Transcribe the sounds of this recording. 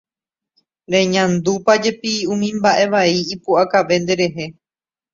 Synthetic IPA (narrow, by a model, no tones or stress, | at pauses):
ɾẽ̞ɲãnd̪upad͡ʒe̞piũmĩmbaʔe̞ʋaiːpuakaʋe̞nd̪e̞ɾe̞ɦe̞